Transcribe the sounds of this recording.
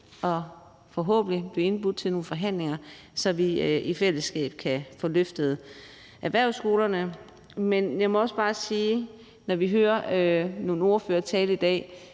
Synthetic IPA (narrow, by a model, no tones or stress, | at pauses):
ʔɒ̽ | fɒ̽ɦɔ̰ːb̥n̩lib̥leie̝nb̥ud̥ˠt͡sʰe̝lno̝ːn̩fɒ̽ɦæn̰le̝ŋɐsɒ̽ʋiifel̰əsɡ̥ɛ̰ːb̥̚kʰæfɒ̽løfd̥əð̞̩ˠ | ʔæʋæɐ̰sɡ̥o̝ːlɐnə | menjɑ̈ɪmɒ̽ɒ̽səb̥ɑ̈ːsiː | nɒʋiɦøːɐno̝ːn̩o̝ɐføːɐt͡sʰɛːləid̥ɛ̰ː